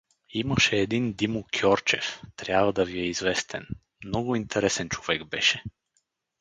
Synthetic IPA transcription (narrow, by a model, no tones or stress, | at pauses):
imaʃɛːd̪ind̪imokʲʰjɔɾt͡ʃɛ̰ft̪ɾʲjabvad̪aviɛizvɛst̪ʰɛn | mmnɔɡoint̪ʰɛɾɛsɛnt͡ʃovɛɡbɛʃɛ